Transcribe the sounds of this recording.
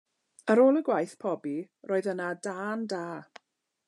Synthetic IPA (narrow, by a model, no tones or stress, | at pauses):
əɾoːlˠəɡwajθpʰɔbi | rʔoːɨðənadaːndaː